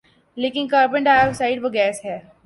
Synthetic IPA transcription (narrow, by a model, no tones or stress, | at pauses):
leːkɪnkaːɾbə̃ɳʈaːjʋsaɪɖpəɡɛːsɦɛː